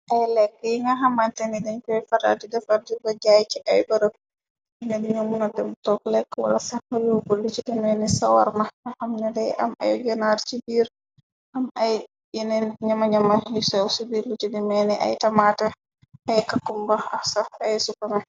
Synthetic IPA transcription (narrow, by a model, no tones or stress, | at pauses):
ʔajlɛkːɛiŋaɦamantɛnidɛnkɔɛfaɾa̰didɛfaɾdibɔd͡ʒajt͡ʃiʔajbaɾə | inɛdiŋamunatɛmtɔklɛkːwa̰lasahajuɡolːut͡ʃidimɛnɛsawa̰ɾmaahamnɛdɛʔa̰ma̰jd͡ʒɔnatt͡ʃibiːɾ | ʔamaj | jɛnɛɲamaɲamahisɛwsubiɾlit͡ʃidimɛnɛʔa̰jtamatɛ | ʔajkakːumbaasaajsukamɛ